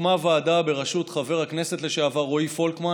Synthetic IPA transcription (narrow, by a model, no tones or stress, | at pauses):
mavaːdabe̞ʁaʃut̪χave̞ʁhakne̞se̞t̪le̞ʃeavaʁoifo̞lkma